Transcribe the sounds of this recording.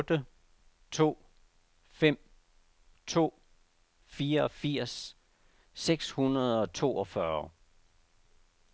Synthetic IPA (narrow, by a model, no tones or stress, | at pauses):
d̥ə | t͡sʰo̝̰ː | fem̰ | t͡sʰo̝̰ː | fiːɐɒ̽fiɐ̰s | seɡ̥shunɐðˠɒ̽t͡sʰo̝ːɒ̽fɶɐ